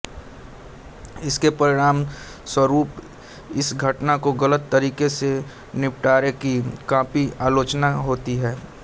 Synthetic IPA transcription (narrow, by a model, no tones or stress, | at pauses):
ɪskepɐɾɪɽaːm | swɐɾuːp | ɪsɡʱɐʈnakoɡɐlət̪ːɐɾiːkese | nɪpʈaːɾekikãːpiaːloːt͡ʃnaɦoːt̪iɦɛː